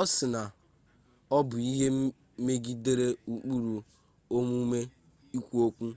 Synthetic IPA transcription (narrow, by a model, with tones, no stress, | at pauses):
ɔ˦sɪ˨na˨ | ɔ˦bʊ˨i˦ɦe˦ | me˦ɡi˦de˦ɾe˦u˨k͡pu˦ɾu˨ | o˦mu˦me˦ | i˦kʷu˦o˦kʷu˦